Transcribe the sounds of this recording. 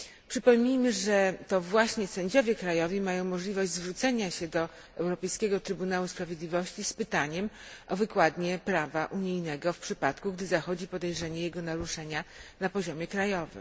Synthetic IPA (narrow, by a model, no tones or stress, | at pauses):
pʂɘpɔmʲɲijmɘʐɛt̪ɔvwaɕɲɛsɛɲd͡ʑɔvʲjɛkɾajɔvʲimajɔ̃w̃mɔʐlʲivɔʑd͡ʑʲzvɾut̪sɛɲaɕɛd̪ɔ | ɛwɾɔpɛjskʲɛɡɔt̪ɾɘbunawuspɾavʲjed̪lʲivɔɕt͡ɕispɘt̪aɲɛmʔɔvɘkwad̪ɲɛpɾavaʔuɲijnɛɡɔfpʂɘpat̪kuɡd̪ɘzaxɔd͡ʑipɔd̪ɛjʐɛɲɛjɛɡɔnaɾuʂɛɲanapɔʑɔmʲjɛkɾajɔvɘ̰m